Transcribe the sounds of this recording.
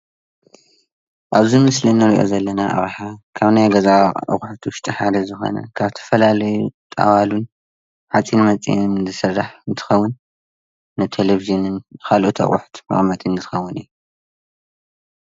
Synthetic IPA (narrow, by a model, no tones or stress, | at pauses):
ʔaβzimɨslinɐɾiʔo̞̰zɐlːɐnaʔa̰βħakʰaβnajɡɐzaʔɐ̰kʼħt̪ʰʊʃt̪ʼɨħad̪ɐzɨxo̞̰nɐ̰kʰaβt̪ʰɐ̥fɐlalɐjut̪ʼa̰walun | ħat͡sʼinmɐt͡sʼḭnzɨsɨrːaħnt̪ʰɨ̥xɐwːʊnː | ɨt̪ʰeleviʒɨnɨnkʰalʔot̪ʰɐ̰χʼʊħt̪mɐ̰χʼmɐt̪ʼɨnzʰɨ̥xɐwːʊnɨjːu